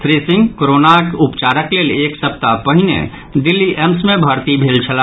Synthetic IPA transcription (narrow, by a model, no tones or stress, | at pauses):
t̪ʰɾisɪ̃ŋɡkoɾonakʊpt͡ʃaɾəkleːleːksəp̚t̪apəɦɪnḛ̃ | d̪ɪlːiʔemsmẽbʱəɾt̪ibʱeːlt͡ʃʰəla